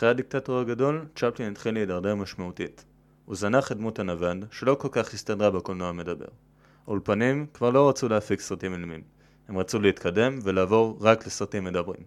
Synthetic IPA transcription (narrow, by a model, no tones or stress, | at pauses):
aχʁeadik̚tatoaɡado̞lt͡ʃaplinitχilːeidaʁdeʁmaʃmautit | uzanaχidmutanavandʃe̞lo̞ko̞lkaχhistadʁabekolnoame̞dabe̞̰ʁ | olpanimkvaʁlo̞ʁat͡suleafiksʁatimilmim | he̞mʁat͡suleitkʰade̞mve̞laːvo̞ʁʁaklesʁatimːe̞dabʁḭm